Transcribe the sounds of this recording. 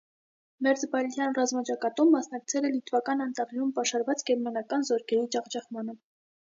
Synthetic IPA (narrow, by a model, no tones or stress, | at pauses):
mɛɾd͡zbɑlt̪ʰjɑnrɑzmɑt͡ʃɑkɑt̪umːɑsnɑk̚t͡sʰɛlɛlit̪vɑkɑnɑnt̪ɑʁinumpɑʃɑɾvɑt͡sɡɛɾmɑnɑkɑnzɔɾkʰɛɾit͡ʃɑʁd͡ʒɑχmɑnə